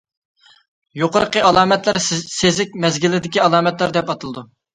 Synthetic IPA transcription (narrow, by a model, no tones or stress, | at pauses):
joqʰəɾəqʰəɑlˠɑːmɛt̪læɾsezɪk̚ʲmɛzɡʲilːɪd̪ɪkʲiɑlˠɑːmɛt̪læɾd̪ɛpɑt̪ɨlˠɨd̪u